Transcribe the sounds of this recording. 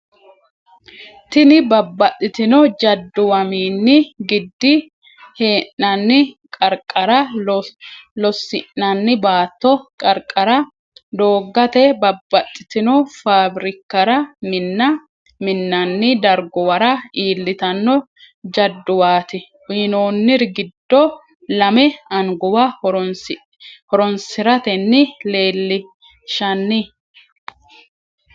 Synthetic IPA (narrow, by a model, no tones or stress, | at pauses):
t̪ɪnɪbɐbːɐt̪ʼːɪt̪ɪnɔd͡ʒɐd̪ːʊwɐmiːnːɪɡɪd̪ːɪ | he̞ːʔːɐnːɪkʼɐɾkʼːɐɾɐ | lɔsːɪʔːɐnːɪbaːt̪ːɔkʼɐɾkʼːɐɾɐ | d̪o̞ːɡːɐt̪ɛbɐbːɐt̪ʼːɪt̪ɪnɔfaːbɾɪkːɐɾɐmɪnːɐ | mɪnːɐnːɪd̪ɐɾɡɔwɐɾɐiːlːɪt̪ɐnːɔ | d͡ʒɐd̪ːʊwaːt̪ɪ | wiːnoːnːɪɾɡɪd̪ːɔ | lɐmɛɐŋɡɔwɐ | hɔɾɔnsɪɾɐt̪ɛnːɪleːlːɪ | ʃɐnːɪ